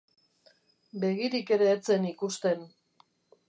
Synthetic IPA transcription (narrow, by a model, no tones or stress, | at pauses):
be̞ɣiɾike̞ɾe̞ːt͡se̞nikust̪e̞n